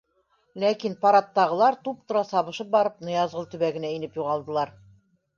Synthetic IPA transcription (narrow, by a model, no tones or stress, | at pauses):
lækinpɑɾɑt̪ːɑʁɤ̆lˠɑɾt̪up̚t̪ŏɾɑsɑβɤ̆ʃɤp̚bɑɾɤp̚nɤ̆jɑzʁɤlˠt̪ɵ̆βæɡɘ̆næinɘpjuʁɑlˠd̪ɤ̆lˠɑɾ